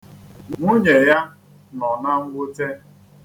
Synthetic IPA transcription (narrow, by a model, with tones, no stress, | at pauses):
ŋŋu˦ɲe˨ja˦ | nɔ˨na˦ŋ̩˦ɡʷʊ˦te˦